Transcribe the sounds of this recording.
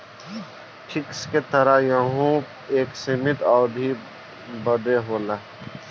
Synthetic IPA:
ʈʰɪksket̪əɾajaɦũ | eːksɪmɪt̪ɔːɾbʱi | bəd̪eɦoːlaː

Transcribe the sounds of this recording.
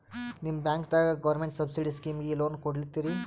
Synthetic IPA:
nimbãŋkt̪aɡəʋəɾmeɳʈsəbsiɽiskimjilonkoɽlit̪iɾi

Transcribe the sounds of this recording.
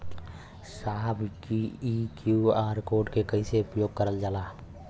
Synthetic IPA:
saɦbʱkiikjuaːɾkoːɖkekəiseʊpjoːɡ̚kəɾəld͡ʒaːlaː

